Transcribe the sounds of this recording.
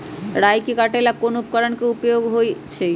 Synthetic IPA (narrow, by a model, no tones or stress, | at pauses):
ɾajkikaʈelakonupkɔɾonkeupjoɡɦojt͡ɕʰe